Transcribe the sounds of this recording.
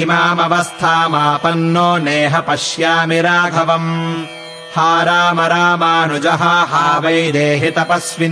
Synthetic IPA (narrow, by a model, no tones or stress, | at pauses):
maːmɐʋɐst̪ʰaːmaːpɐnːoːneːɦɐpɐʃjaːmiɾaːbʱɐʋɐm | haːɾaːmɐɾaːmaːnud͡ʒɐɦɐɦaːʋɐjd̪eːɦet̪ɐpɐsʋi